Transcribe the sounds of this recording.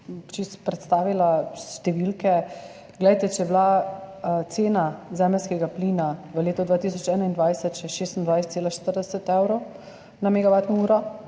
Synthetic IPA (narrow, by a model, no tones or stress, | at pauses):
t͡ʃispɾɛt̪st̪aːʋilaʃt̪ɛʋilkɛ | ɡlɛjt̪ɛt͡ʃɛjɛbla | t̪seːnazɛːməlskɛɡaplinaʋəleːt̪ɔd̪ʋaːt̪isɔt͡ʃɛːnaind̪ʋajsɛt̪t͡ʃɛʃeːst̪ənd̪ʋajst̪seːlaʃt̪əɾd̪ɛsɛt̪ɛwɾow | namɛɡaʋaːt̪nɔuːɾɔ